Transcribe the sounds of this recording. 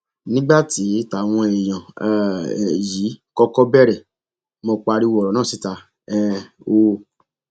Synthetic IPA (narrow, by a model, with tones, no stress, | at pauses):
nĩ˦ɡ͡ba˦ti˨˦ta˧˨w̃ɔ̃˧e˨j̃ã˨ | ji˨˦kɔ˦kɔ˦bɛ˦˨ɾɛ˨ | mo˧k͡pa˧ɾi˦wɔ˨ɾɔ˨nãː˦˨si˨˦ta˧ | ɛ˦ | o˦˧